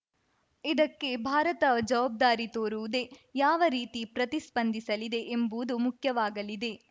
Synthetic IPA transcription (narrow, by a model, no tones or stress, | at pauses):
id̪ɐkːe̞bʱaːɾɐt̪ɐd͡ʒɐʋaːb̚d̪aːɾit̪oːɾuʋud̪e̞jaːʋɐɾiːt̪ipɾɐt̪ispɐnd̪ʱisɐlid̪e̞ʔembuːd̪umukʰjɐʋaːɡɐlid̪e̞